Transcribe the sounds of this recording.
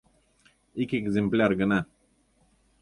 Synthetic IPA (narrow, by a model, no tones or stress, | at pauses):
ikʲeɡzʲɪmplʲarɡəna